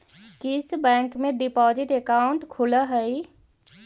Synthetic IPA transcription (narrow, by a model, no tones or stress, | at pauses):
kɪsbɛ̃ːŋkmẽɖɪpɔːd͡ʒɪʈekaːʊɳʈkʰʊlaɦəi